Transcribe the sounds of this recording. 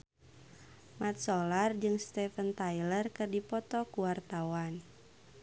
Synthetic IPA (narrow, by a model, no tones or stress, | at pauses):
mat̪̚sɔlard͡ʒɨŋst̪ɛfənt̪ajlərkɨrdipɔt̪ɔkuwart̪awan